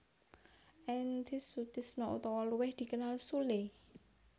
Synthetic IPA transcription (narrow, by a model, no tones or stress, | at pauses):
ʔɛnt̪ɪsut̪ɪsnɔʔṵt̪ɔwɔluwɪhd̪̥i̤kənalsule